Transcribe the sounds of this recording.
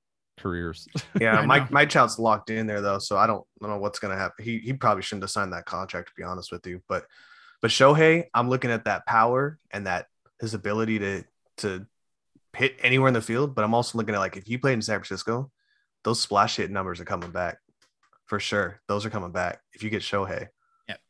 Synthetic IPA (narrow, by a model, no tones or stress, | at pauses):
kʰə˞ɪ̰ɹz̥jæmaɪmaɪt͡ʃʰaɪlˠdzlɑk̚tɪ̃nðə˞ðoʊsoʊaɪɾõʊ̃n̥õʊ̃noʊwʌtsɡ̥ʌnɨhæpn̩ihipʰɹ̥ɑbəbliʃʊdⁿn̩tɨsãɪ̃nðɨt̚kʰɑ̰̃ntʰæk̚tʰəb̥iɑnəst̚wɨðjɨb̥ʌt̚ | b̥ʌtʃoʊɦeɪãɪ̃mlʊkɪ̃ŋɨt̪̚ðɨt̚pʰaʊə˞ʔɨ̃nðɨt̚ | hɨzɨbɪlˠəɾiɾɨ | tʰɨ | hɪɾʔɛñiwɛɹɨ̃nðɨfilˠd̚bʌɾãɪ̃mɔlˠsoʊlʊk̬ɪ̃ŋɨt̚laɪkɨfjɨpʰl̥eɪn̩sæ̃ŋkfɹən̩sɪskoʊ | ðoʊz̥splæʃhɪtⁿnʌ̃mbə˞zə˞kʰʌmɪ̃ŋbæk̚ | fə˞ʃʊɹðoʊzə˞kʰʌ̃mɪ̃ŋbæ̰k̚ɨfjɨɡɛtʃoʊɦeɪ